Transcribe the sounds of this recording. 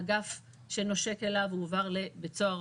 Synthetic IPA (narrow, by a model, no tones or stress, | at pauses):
ɡaf | ʃe̞no̞ʃe̞ke̞lavuvaʁlebet͡soaʁ